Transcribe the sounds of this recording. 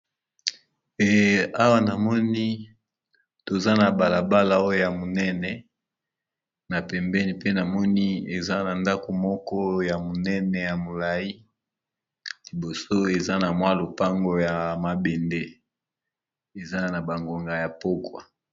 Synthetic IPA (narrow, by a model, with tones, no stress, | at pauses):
ɛ˨a˦wa˦na˨mɔ˦ni˦ | to˨za˦na˨ba˨la˨ba˦la˨o˦o˦˨ja˨mo˨nɛ˦nɛ˨ | na˨pɛ˨mbɛ˦ni˦pe˦na˨mɔ˦ni˦e˨za˦na˨nda˦ko˨mɔ˦kɔ˦ja˨mo˨nɛ˦nɛ˨ja˨mo˨la˨ji˦ | li˨bo˨so˦e˨za˦na˨mwa˦lo˨pa˦ŋɡo˨ja˨ma˨be˨nde˦ | e˨za˦na˨ba˨ŋɡo˨ŋɡa˨ja˨po˦kwa̰˨